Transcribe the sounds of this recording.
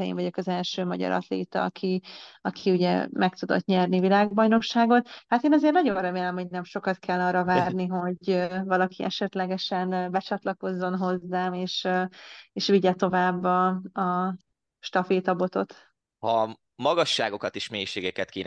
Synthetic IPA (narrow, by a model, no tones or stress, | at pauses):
ɛjḭɱvɒɟo̞kɒzɛlʃøːmɒɟɒ̰ɾɒ̰t̪lḛːt̪ɒ̰ɒ̰kʰiɒkʰiuɟɛ̰mʔɛkt̪ud̪o̞̰t̪ɲɛrnivilaːɡ̚bɒjno̞kʃaːɡo̞t̪hat̪eːnɒzeːrnɒɟo̞nrɛmeːlɛmho̞ɟnɛmʃo̞kɒt̪kʰɛlːɒːrːɒvaːrniɦo̞ɟøvɒlɒkʰiʔɛʃɛt̪lɛɡɛʃɛnbɛt͡ʃɒt̪lɒko̞zːo̞nɦo̞zːaːmeːʃ | eːʃʋiɟɛt̪o̞vaːbːɒɒ | ʃt̪ɒfeːt̪ɒbo̞t̪o̞t̪ | hɒ | mɒɡɒʃːaːɡo̞kɒt̪iʃmeːjʃeːɡɛkɛt̪̚keːn